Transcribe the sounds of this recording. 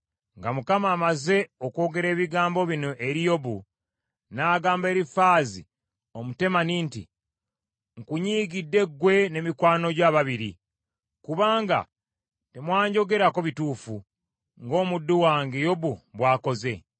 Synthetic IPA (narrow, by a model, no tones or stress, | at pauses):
ŋɡamukamaːmaze̞oko̞ːɡe̞ɾe̞ːβiɡaːmbo̞βino̞ʔeɾijo̞βu | naːɡaːmbe̞ːɾifaːzḭ | omute̞maniːntḭ | ŋkuɲiːɡidːe̞ɡwe̞ne̞mikwaːno̞ɟwaːβaβiɾḭ | kuβaːŋɡa̰ | te̞mwaːɲɟo̞ɡe̞ɾako̞βituːfu | ŋɡo̞ːmudːuwaːŋɡejo̞βuβwaːko̞ze̞